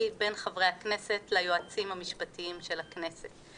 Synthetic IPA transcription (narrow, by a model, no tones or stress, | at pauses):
ibe̞nχavʁeaknese̞tlajoat͡simhamiʃpatiimʃe̞lakne̞set